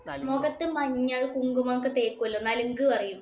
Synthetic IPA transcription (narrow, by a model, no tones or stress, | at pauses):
moɡɐt̪ːɨmɐɲːɐɭkuŋɡumɐŋkːɨt̪eːkːuɐlːonːaːleŋɡɨʋɐrijum